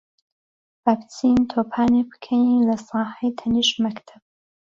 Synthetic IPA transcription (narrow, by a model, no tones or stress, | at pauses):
baːpt̪ʰiːnt̪ʰoːpʰaːnebɨ̥kʰɐnilɐsɑːħɐjt̪ʰɐniʃmɐkt̪ʰɐb̥̚